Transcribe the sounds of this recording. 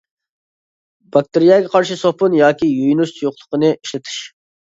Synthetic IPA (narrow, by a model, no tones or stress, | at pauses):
bɑk̚ʲt̪ɪɾijɑːɡʲɛqʰɑɾʃisohpʊnjɑːkʲijojnuʃt͡ʃ̪ʰjoqlˠʊ̥qənɨʔiʃlɪt̪ʰɪ̥ʃ